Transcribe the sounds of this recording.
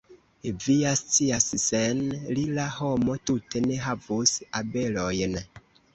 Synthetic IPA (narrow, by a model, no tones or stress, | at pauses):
eviast͡siasisɛnlilahɔmɔtuteneɦavusabelɔjn